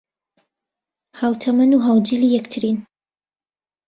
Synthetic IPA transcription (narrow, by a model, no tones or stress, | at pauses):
haːwt̪ʰɐmɐnuɦaːwd͡ʒiliːjɛkt̪ʰɨɾin